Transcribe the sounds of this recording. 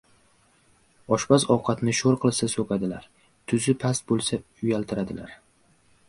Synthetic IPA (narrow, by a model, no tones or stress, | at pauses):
ɒʃbasɒwqʰɑt̪nɪʃoɾqʰɨlˠsasokʲʰad̪ɪlaɾ | t̪ʰʊzɪpʰast̪̚bolˠsa | ʊjalt̪ʰɪɾad̪ɪ̰la̰ɾ